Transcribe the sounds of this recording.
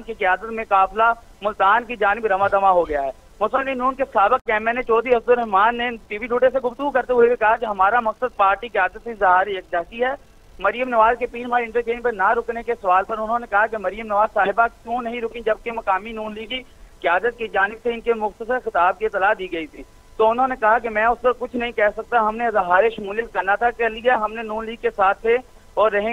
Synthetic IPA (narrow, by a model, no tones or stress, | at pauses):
nkikɪjaːd̪ət̪mẽkaːpla | mʊlt̪aːnkid͡ʒaːnɪbɾɐmad̪ɐmaɦoɡɐjaɦɛː | mʊsəllinuːnkesaːbɪk̚ːɛːmɛnet͡ʃɔːd̪iɦɐsd̪ʊlɾɛɦmaːnːeʈiːʋiɖʱuːʈeseɡʊft̪əɡukɐɾt̪eɦʊewekɐɦakeɦɐmaːɾamɐksəd̪̚paːɾʈikjaːd̪ət̪sezɐɦaːɾieːk̚d͡ʒaːsiɦɛː | mɐɾijəmnɐʋaːzkepiːnbʱaːɪ̃ɳʈəɾkeːnpɐnaɾʊknekesɐʋaːlpɐɾʊnɦõnekɐɦakemɐɾijəmnɐʋaːzsaːɦɪbakjõːnɐɦĩɾʊkĩd͡ʒɐb̚kemɐkaːminuːnliːɡi | kɪjaːd̪ət̪̚kid͡ʒaːnɪbseɪnkemʊxt̪əsəɾxɪt̪aːb̚kiɪt̪ːɐlaːd̪iːɡɐit̪ʰiː | t̪oʊnɦõːnekɐɦak̬emɛ̃ːʊspɐɾkʊt͡ʃʰnɐɦĩkɛːsɐk̚t̪aɦɐmnezɐɦaːɾeʃɐmuːlijət̪̚kɐɾnat̪ʰakːeliaɦɐmnenuːnliːɡkesaːt̪ʰːe | ɔːɾːɐɦẽ